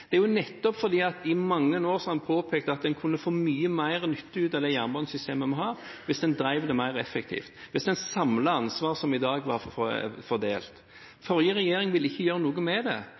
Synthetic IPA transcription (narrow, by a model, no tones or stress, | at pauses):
d̪̥ɛæɾjʊnɛt̪ːɔpfɔɾd̪iːɑt̪ɪmɑŋːənoːɾsɔhɑnpʰoːpʰɛːkt̪əɑt̪̚d̪ɛnkʰʉnːəfoːmyːəmæɪɾnʏt̪ːəʉːt̪ɑd̪ɛɪjæːʁnbɑnsʏst̪ʰeːməmɔɦɑːɾʋɪsd̪ɛnd̪ɾæɪʋd̪ɛmæɪɾɛfːɛkt̪ʰḭːft̪ʋɪsd̪ɛnsɑmləɑnsʋɑːɾsɔmɪd̪ɑːɡʋɑfɔɾd̪ḛːlt̪ | fɔɾjəɾɛjeːɾɪŋʋɪlɪçːəjøːɾənuːɡəmɛd̪ɛ